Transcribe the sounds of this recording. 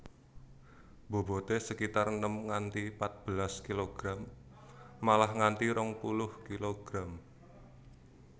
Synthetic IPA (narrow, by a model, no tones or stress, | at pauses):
b̥o̤bo̤t̪esəkit̪arnəmŋant̪ipat̪̚b̥ə̤laskiloɡ̥ɾamː | alahŋant̪iɾɔŋpulʊhkiloɡ̥ɾam